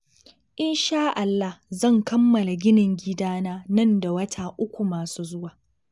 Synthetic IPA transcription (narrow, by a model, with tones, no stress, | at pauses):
ʔɪ˦nʃaː˦ʔa˨lːa˦hzɐ˦˨ŋkɐ˦mːɐ˨la˨ɡʲɪ˦nɪ˨ŋɡʲɪ˦daː˦naː˦nɐ˦˨nda˨wɐ˦tʰaː˨ʔʊ˦kʷu˨maː˨suː˦zʊ˦waː˨